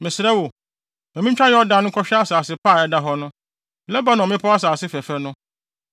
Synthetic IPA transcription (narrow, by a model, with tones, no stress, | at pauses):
mɪ̃˨sɪ˨ɾɛ˦wo˨ | ɔ̃˨mɪ̃˦ɲ̩˦t͡ɕᶣa˦jɛ˦ɔ˦da˨nʊ̃˦kʰɔ˦ɕᶣɛ˦a˦saː˨sɪ˦pʰaː˦˨ɛ˨˦da˦ɦɔ˦nʊ̃˦˨ | lɛ˦ba˦nɔ̃˨mɪ̃˦pʰɔ˦a˦s̬aː˨sɪ˦fɛ˨fɛ˨nʊ̃˦